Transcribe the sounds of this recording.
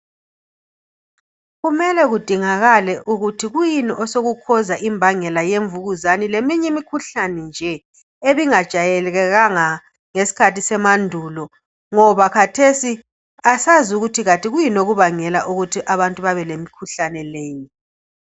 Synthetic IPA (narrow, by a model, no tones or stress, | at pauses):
ɣumɛlɛɣud̥ʱiŋaɣalɛʔuɣutʰiɣujiniʔɔsoɣukʰɔzaʔimbʱaŋɛlajeɱvuɣuzanilemiɲɛmikʰuɬanɛnd͡ʒʱɛ | eβiŋad̥ʒ̥ʱajɛlɣɛɣaŋa | ŋesi̥kʰatisɛmandʱulɔ | ŋɔβakʰatʰesi | asazuɣutʰiɣatʼiɣujinoɣuβaŋɛlaʔuɣutʰiʔaβantʼuβaβɛlemikʰuɬanɛleːɲɛ